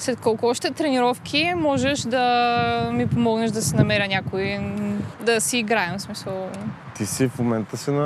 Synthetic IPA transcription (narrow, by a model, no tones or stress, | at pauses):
slɛt̪kɔlˠkʊɔʃt̪ɛt̪ɾɛniɾɔfkʰʲimɔʒɛʃd̪ɐmipomɔɡnɛʃd̪ɐsɛnɐmɛɾʲənʲakʊi | d̪ɐsiːɡɾaɛmfsmisəlˠt̪isifmomɛnt̪əsɛnɐ